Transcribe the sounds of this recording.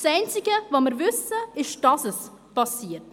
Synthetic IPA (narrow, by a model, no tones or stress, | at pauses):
sɛɪnt͡sɪɡəvoməɾvʏsəɪʃd̥ɑsəs | pʰɑsiːəɾt